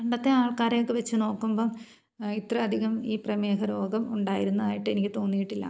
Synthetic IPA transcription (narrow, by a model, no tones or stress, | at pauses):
kɐɳɖɐt̪ːeaːɭkaːɾejokːɨʋet͡ɕːɨno̞ːkːumbo̞ːɭ | it̪rɐːd̪ʱiɣɐmiːprɐmeːkʰɐɾo̞ːɡɐmuɳɖaːjiɾunːɐðaːjiʈːɨe̞nikʲːɨt̪o̞ːnːijiʈːilːɐ̰